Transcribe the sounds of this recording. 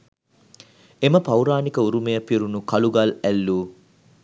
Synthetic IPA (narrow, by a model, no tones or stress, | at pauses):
eməpɐwɾaːnikəuɾumejəpiɾunukɐluɡɐlælːuː